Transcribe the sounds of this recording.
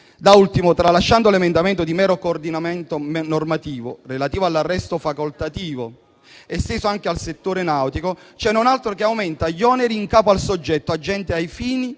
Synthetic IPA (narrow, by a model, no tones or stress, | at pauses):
d̪ault̪imot̪ɾalːaʃːand̪olemend̪amɛnt̪od̪imɛːɾokoːrd̪inamɛnt̪omnormat̪iːvo̰relat̪iːvoalːarːɛst̪ofakolt̪at̪iːvo | ɛst̪eːzoaŋk̟ealset̪ːoːɾenawt̪ikot͡ʃɛnːonalt̪ɾokeawmɛnt̪aʎːɔːneɾiːŋkaːpoalsod͡ʒːɛt̪ːoad͡ʒːɛnt̪eajfiːni